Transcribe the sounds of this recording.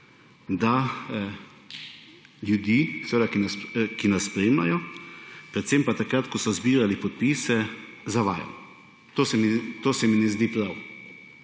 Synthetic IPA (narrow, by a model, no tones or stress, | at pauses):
d̪a | ljud̪iːsɛʋeːd̪akinaskinasspɾeːmla̰jɔ | pɾɛt̪sempat̪akɾat̪kɔsɔzbiːɾalipɔt̪̚piːsɛzaʋaːja̰lɔ | t̪oːsɛmit̪oːsɛminɛzd̪iːpɾaw